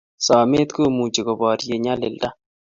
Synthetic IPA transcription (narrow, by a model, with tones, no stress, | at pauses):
sɔ˨me˦t̪ko˦mu˨d͡ʒe˨ko˨bɔ˨ɾje˨ɲa˦lɪ̰˨lda˦